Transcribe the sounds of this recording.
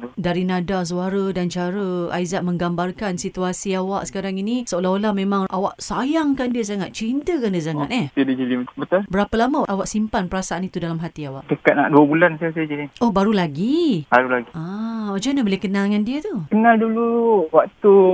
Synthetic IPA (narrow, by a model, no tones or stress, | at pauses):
t̪udaɾinadas̬uaɾədant͡ʃaɾəa̰izaʔ̚mə̃ŋɡambarkansit̪uasiawaʔsə̥kaɾaŋinisəolaɦolahmẽmãŋʔawaʔsajaŋkandiəs̬aŋat̪̚t͡ʃint̪əkandiəs̬aŋat̪̚ɛdiədid͡ʒəliməbət̪arbəɾapəlamaʔawaʔsimpanpəɾasaanit̪udalamɦat̪iawaʔt͡ʃəkat̪̚na̰ʔduəbulansiasid͡ʒədiohbaɾulaɡibaɾulaɡiaad͡ʒanabolehkənalŋandiət̪ukənalduluwak̚t̪u